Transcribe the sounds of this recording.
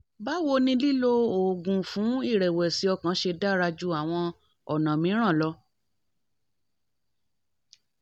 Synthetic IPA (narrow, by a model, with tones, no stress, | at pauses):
ba˦wo˧nĩ˧li˦lo˦o˨ɡũ˨fũ˨˦i˦˨ɾɛ˨wɛ˨si˨˦ɔ˧˨kã˨˦ʃe˧da˦ɾa˧d͡ʒu˦a˨w̃ɔ̃˧ | ɔ̰˨nã˨mĩ˨˦ɾ̃ã˦˨lɔ˧